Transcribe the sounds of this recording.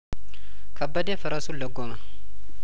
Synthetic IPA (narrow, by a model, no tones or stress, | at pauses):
kɐbːɐd̪eːfɐɾɐsulɐɡɔmɐ